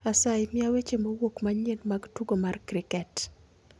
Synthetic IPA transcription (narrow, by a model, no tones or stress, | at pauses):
asajmɪawet͡ʃemowokmaɲenmaɡtuɡomarkɾɪkɛt